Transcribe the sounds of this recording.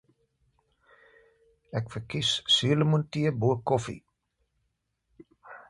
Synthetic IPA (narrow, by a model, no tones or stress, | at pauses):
ɛkfərkissyələmuntiəbuəkɔfḭ